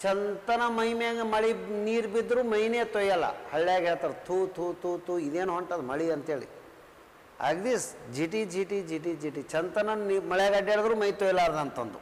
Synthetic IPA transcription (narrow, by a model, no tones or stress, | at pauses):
t͡ʃɐnt̪ɐnɐmɐɦimaɡmɐɭiniːɾbid̪ːɾuːmɐjneːt̪ojːɐlːɐ̰hɐɭːjaːɡɦeːɭt̪aːɾt̪ʰuːt̪ʰuːt̪uːt̪uːid̪eːnuɦoɳʈad̪umɐɭiɐnt̪eːɭḭ | ɐ̰ɡd̪isd͡ʒiʈid͡ʒiʈid͡ʒiʈ̬id͡ʒiʈit͡ʃɐnt̪ɐnɐimɐɭeɡɐɖeɭɐd̪ɾuːmɐjt̪ɔjlaːɾd̪ɐnt̪ɐnd̪u